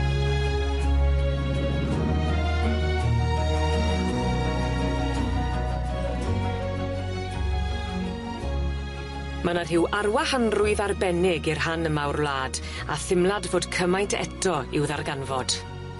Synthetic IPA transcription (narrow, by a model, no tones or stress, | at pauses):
manarɦɪwarwahanrʊɨðarbɛnɪɡirɦanəmawrvlˠaːd | a̰θɪmlˠadvoːd̥kʰəmajntʰɛ̰tʰɔɪwðarɡanvɔd̥